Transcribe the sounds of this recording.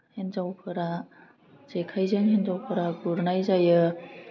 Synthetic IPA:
henzawpʰɯɾa | zekʰajzaŋɦenzawpʰɯɾaɡuɾnajzajɯ

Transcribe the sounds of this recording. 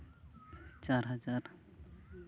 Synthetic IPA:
t͡ʃaɾɦʌd͡ʒaɾ

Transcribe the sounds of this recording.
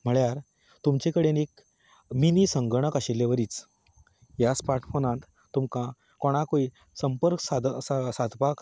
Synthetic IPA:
m̤əɭjaɾ | t̪umt͡ɕekəɽenek | minisəŋɡɳ̃əkaɕelːeʋəɾiːt͡s | jaspaɾʈfonãt̪ | t̪ːumkã | koɽ̃akoi | səmpəɾksad̪ssad̪ʱpak

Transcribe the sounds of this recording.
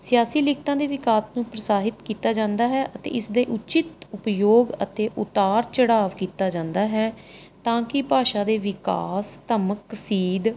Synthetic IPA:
sɪjaːsiːlɪkʰt̪ãːd̪eːʋɪkaːsnũːpɾəsaːɦɪt̪kiːt̪aːd͡ʒãːnd̪aːɦɛːʔət̪ḛːɪsd̪eːʔʊt͡ʃɪt̪ʊpjoːɡət̪eːʔʊt̪aːɾt͡ʃəɽaːʋkiːt̪aːd͡ʒãːnd̪aːɦɛː | t̪ãːkɪpaːʃãːd̪eːʋɪka̰ːst̪əməksiːd̪

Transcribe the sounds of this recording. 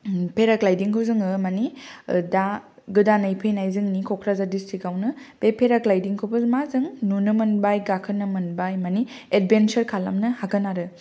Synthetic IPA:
pʰeɾaklajdiŋkʰowzɯŋɯmanida | ɡɯdanajpʰejnajzɯŋnikʰokʰɾazadistɾikawnɯb̥epʰeɾaklajdiŋkʰowbɐmazɯŋnunɯmɐnbajɡakʰɯnɯmɐnbajmani | ed̚bensɐɾkʰala̰mnɯhakɐnaɾɯ

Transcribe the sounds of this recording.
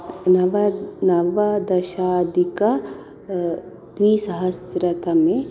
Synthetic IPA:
nɐʋɐnɐʋɐd̪ɐʃaːd̪ʱikɐ | d̪ʋisɐɦɐsɾɐt̪ɐmẽ

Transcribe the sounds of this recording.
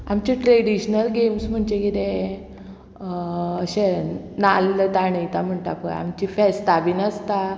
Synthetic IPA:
amt͡ɕiʈɾeɽiɕnəlɡemsm̤əɳd͡ʑekit̪ẽ | əɕe | nalət̪aɳeit̪am̤əɳt̪apə̰a̰mt͡ɕifɛst̪abinəst̪a

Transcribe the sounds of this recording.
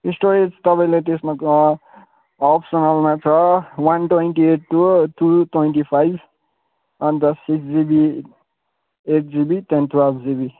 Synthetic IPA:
isʈoɾed͡zt̪ʌpãĩlet̪̬esmak | ɔpsʌnalmat͡sʰʌwanʈwejnʈieʈ̚ʈːut̪ʰuʈwejɳʈipʰajb | ʌnd̪ʌsiksd͡zibi | eʈ̚d͡zibitent̪ʰwelbʱd͡zibi

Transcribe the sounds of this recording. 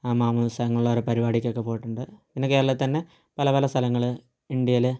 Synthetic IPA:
aːmaːmɐnɐst̪ɐlɐŋːɐɭuɭːɐʋoɾepɐɾibaːɽikʲːo̞kːepo̞ːjiʈːuɳɖɨpinːekːeːɾɐɭɐt̪ːɐnːe̞ | pɐlɐpɐlɐst̪ʰɐlɐŋːɐɭ | iɳɖjɐlɨ

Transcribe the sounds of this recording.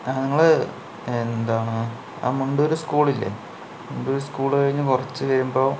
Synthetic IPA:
aniŋːɐɭɨ | end̪aːɳɨ | a̰ːmuɳɖoɾuskuːɭilːḛ | muɳɖoɾuskuːɭkɐɻiɲːɨkurɐt͡ɕːɨʋɐɾumbo̞ː

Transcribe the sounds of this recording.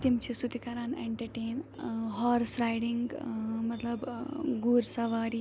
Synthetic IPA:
t̪imt͡ɕisut̪ikaɾanḛɳʈəɾʈeːnɦɔɾsɾajɽiŋɡmət̪ləbɡuɾsɐʋaɾi

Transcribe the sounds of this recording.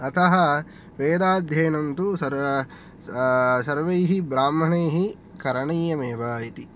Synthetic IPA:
ɐt̪ʰɐɦɐ̆ | ʋeːd̪aːd̪ʱjɐːnɐnt̪uɐɾ | sɐɾʋɐjɦibɾaːmɐɳeːɦi | kɐɾɐɳɐjjɐmeːʋaːjit̪i

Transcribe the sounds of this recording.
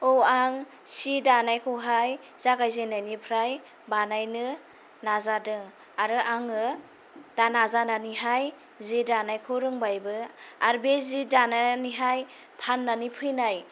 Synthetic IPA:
owaŋ | sidanajkʰɯwɦaj | z̥aɡajzenajnipʰɾaj | banajnɯ | nazadɯŋ | aɾɯʔaŋɯ | d̥anazananiɦaj | zedanajkʰɯɾɯŋbajbɯaɾbezidananiɦaj | pʰanːanipʰɯjnaj

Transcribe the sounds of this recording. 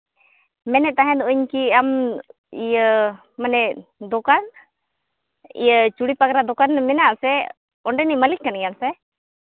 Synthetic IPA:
mɛnɛt̪aɦɛ̃nd̪uɲkiam | ijəː | ənɛd̪ɔkan | ḭjət͡ʃuɽipakɾad̪ɔkanmɛnaʔsɛ | ɔɳɖɛniməlikːanɡɛjansɛ

